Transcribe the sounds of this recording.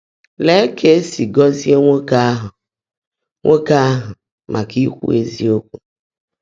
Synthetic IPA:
le˦kʰe˦si˨ɡɔ˦zi˦e˦ŋo˦ka˦ɦɔ̃˨ | ŋʔo˦ka˦ɦɔ̃˨ | mʔã˨ki˦xṵ˦ḛ˦zi˦o˦k̚u˨

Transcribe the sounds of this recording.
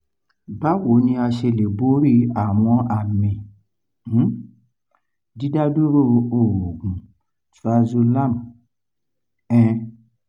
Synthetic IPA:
ba˨˦wo˨˦nĩ˧a˧ʃe˧le˨bo˦ɾi˦a˦˨w̃ɔ̃˧a˧˨mĩ˧˦ | di˦da˦du˦ɾo˦o˨ɾo˨ɡũ˨ | ta˧zo˧la˦˨m˨ | ɛ̃˧

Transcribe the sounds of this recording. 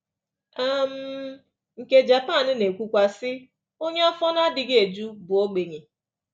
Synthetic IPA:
a˦m̩˦ | ŋ̩˨ke˦d͡ʒa˨pa˦˨n̩˦ne˨kʷu˦kʷa˦sɪ˦ | o˦ɲe˦ɔ˦fɔ˦na˦dɪ˨ɡe˨d͡ʒu˦bʊ˨o˦ɡ͡be˨ɲe˨

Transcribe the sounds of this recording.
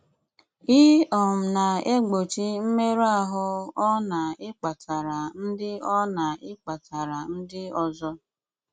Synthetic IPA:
i˦ɔ˨m̩˨na˨e˦ɡ͡bo˨t͡ʃi˦m̩˦me˦ɾa˦˨ɦʊ˦ɔ˦na˨ɪ˦k͡pa˨tʰa˨ɾa˨n̩˦dɪ˦ɔ˦na˨ɪ˦k͡pa˨tʰa˨ɾa˨n̩˦dɪ˦ɔ˦zɔ˦

